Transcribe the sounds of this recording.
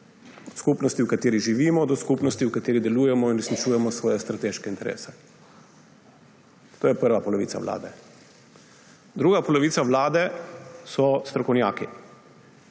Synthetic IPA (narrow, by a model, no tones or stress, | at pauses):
ɔt̪skupnɔst̪iwkat̪eːɾiʒiʋiːmɔd̪ɔskupnɔst̪iukat̪eːɾid̪ɛluːjɛmɔinɾɛsnit͡ʃuːjɛmɔsʋɔːjɛst̪ɾat̪eːʃkɛint̪ɛɾʔḛːsɛ̥ | t̪oːjɛpəɾʋapɔlɔʋḭt̪sa̰ʋlʔa̰ːd̪ɛ | d̪ɾuːɡapɔlɔʋiːsaʋlaːd̪ɛsɔst̪ɾɔkɔwnjaːki